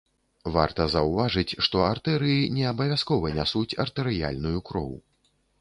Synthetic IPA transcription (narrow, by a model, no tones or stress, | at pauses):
va̰rt̪ɐzɐwvaʐɨt͡sʲʂt̪ɔart̪ɛɾɨjinʲɛɐbɐvʲaskɔvɐnʲasut͡sʲɐ̰rt̪ɛɾɨja̰lʲnujukɾɔ̰w